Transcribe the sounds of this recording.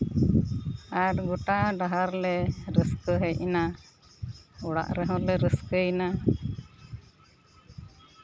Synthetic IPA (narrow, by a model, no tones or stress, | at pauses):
aɾɡɔʈaɖaɦaɾlɛɾəskəɦɛjina | ɔɽa̰ʔɾɛɦɔ̃lɛɾəskəina